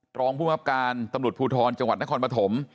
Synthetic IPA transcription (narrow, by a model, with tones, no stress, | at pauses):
ɾɔː˧ŋpʰu˥˩ma˦˥p̚kaː˧nt̪a˧mɾu˨˩t̪̚pʰuː˧˩t̪ʰɔː˧nt͡ɕa˧ŋwa˨˩t̪̚na˦˥kʰɔː˧npɾa˧t̪ʰo˩˦m